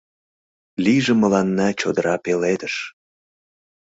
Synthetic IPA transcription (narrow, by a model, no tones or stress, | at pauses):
lijʒĕməlɑnːɑt͡ɕod̪əɾʔɑpeled̪əʃ